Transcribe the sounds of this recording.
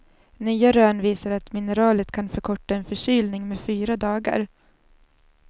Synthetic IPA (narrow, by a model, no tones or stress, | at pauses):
nyːaɾøːɳviːsaɾat̪mɪnəɾɑːlət̪kʰanfœɾkʰɔʈːaɛnfœʂyːlnɪŋmeːfyːɾad̪ɑːɡa̰ɾ